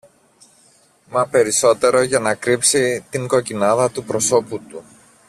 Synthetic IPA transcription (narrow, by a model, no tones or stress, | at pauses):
mɐpe̞ɾiso̞t̪e̞ɾo̞ʝɐnɐkɾipsit̪iŋɡo̞cinɐðɐt̪upɾo̞so̞put̪u